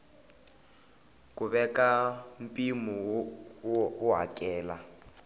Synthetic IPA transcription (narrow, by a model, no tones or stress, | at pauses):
kʼʊbɛkʼam̩pʼimʊ | ʊɦa̰kʼɛːla